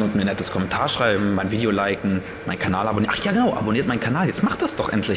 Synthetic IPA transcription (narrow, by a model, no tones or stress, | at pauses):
ʊntmiːɐnɛtəskʰɔmɛntʰaːɐʃʁ̥aɪbm̩maɪnviːdeolaɪkŋ̩ | ma̰ɪnkʰanaːlʔaboniʔaχjaːɡənaʊʔa̰boniːɐtmaɪnkʰanaːljɛt͡stmaχt̚d̥asd̥ɔχʔɛ̰ntʰlɪ